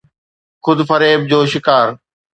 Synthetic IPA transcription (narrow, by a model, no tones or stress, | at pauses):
xʊd̪fɐɾeːb̚d͡ʑoːʃɪkaːɾ